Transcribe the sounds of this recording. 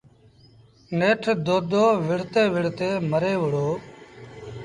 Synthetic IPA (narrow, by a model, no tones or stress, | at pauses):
neːʈʰd̪oːd̪oːʋɪɽ̤t̪eːʋɪɽt̪eːməɾeːʋəɽoː